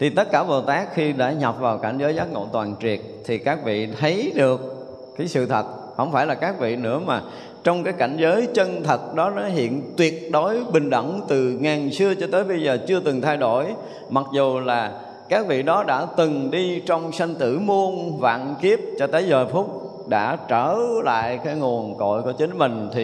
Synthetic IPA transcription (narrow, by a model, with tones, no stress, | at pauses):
t̪ʰi˨˩t̪ə˦˥t̚kaː˧˩ɓo˨˩t̪aː˦˥k̚xi˧ɗa̰ː˧˥ɲɔ˨˩p̚vaː˨˩wka˧˩ŋzəː˨˦jzaː˦˥t̚ŋo̰˧˨t̪waː˨˩nt͡ɕwi˨˩ət̚t̪ʰi˨˩kaː˦˥k̚vḭ˧˨t̪ʰə˨˦jɗɨ˨˩ək̚ː | aː˨˦jsɨ̰˧˨t̪ʰə˨˩t̚ | hə̰˧˩wŋ͡mfaː˧˩jlaː˨˩kaː˦˥k̚vḭ˧˨nɨ̰˧˥əmaː˨˩ | t͡ɕɔ˧wŋ͡mkaː˨˦jka˧˩jŋ̟zəː˨˦jt͡ɕə˧nt̪ʰə˨˩t̚ɗɔ˨˦nɔ˨˦ɦḭ˧˨ənt̪wi˨˩ət̚ɗo˨˦jɓï˨˩ŋ̟ɗə̰˧˩ŋ͡mt̪ɨ˨˩ŋaː˨˩nsɨ˧ət͡ɕɔ˧t̪əː˨˦jɓə˧jzəː˨˩t͡ɕɨ˧ət̪ɨ˨˩ŋt̪ʰa˧jɗo˧˩j | ma˨˩t̚zu˨˩laː˨˩ | kaː˦˥k̚vḭ˧˨ɗɔ˨˦ɗa̰ː˧˥t̪ɨ˨˩ŋɗi˧t͡ɕɔ˧wŋ͡msa˧ŋ̟t̪ɨ̰˧˩mu˧ənva̰ː˧˨nki˦˥əp̚t͡ɕɔ˧t̪əː˨˦jzəː˨˩fʊ˦˥k͡p̚ | ɗa̰ː˧˥t͡ɕəː˧˩la̰ː˧˨jkaː˨˦jŋu˨˩ənko̰˧˨jku˧˩ət͡ɕï˨˦nmï˨˩ŋ̟t̪ʰi˨˩